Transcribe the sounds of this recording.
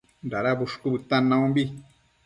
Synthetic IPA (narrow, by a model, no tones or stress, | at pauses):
nɾaɾaβuʂkuβɨt̪ãnãũmbi